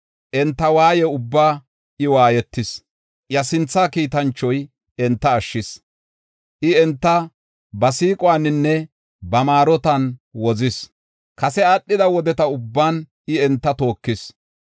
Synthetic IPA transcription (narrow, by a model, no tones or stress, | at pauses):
ʔɛnt̪ːɐwaːjɛʊbːaː | ʔɪwaːjɛt̪ːɪs | jɐsɪnt͡sːaːkiːt̪ɐnt͡ʃːɔj | ɛnt̪ːɐːʃːɪs | ʔɪɛnt̪ːɐ | bɐsiːkʼɔwaːnːɪnːɛ | bɐmaːɾɔt̪ɐnwɔzɪs | kɐsɛaɗːɪd̪ɐwɔd̪ɛt̪ɐʊbːaːn | ɪɛnt̪ːɐt̪o̞ːkːɪs